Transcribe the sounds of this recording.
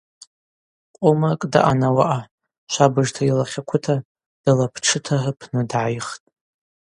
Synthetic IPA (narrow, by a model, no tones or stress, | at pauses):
qʷʼomakʼda̰ʔanawaʔa | ʃʷabɨʐtʰailaχʲakʷʰʊtʰa | d̥alapʰʈ͡ʂʰɨtʰahəpʰnɨdʕajχtʼ